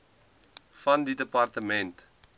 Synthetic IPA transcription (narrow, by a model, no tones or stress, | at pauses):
fɐndidəpɐrtəmɛnt